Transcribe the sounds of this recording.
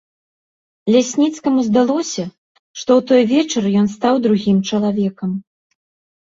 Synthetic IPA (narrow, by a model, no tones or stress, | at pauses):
lʲasʲnʲit̪skɐmuzd̪alˠɔsʲɐ | ʂt̪ɔwt̪ɔjvʲɛt͡ʂɐrjɔnst̪awd̪ɾuɣʲimt͡ʂɐlˠavʲɛkɐm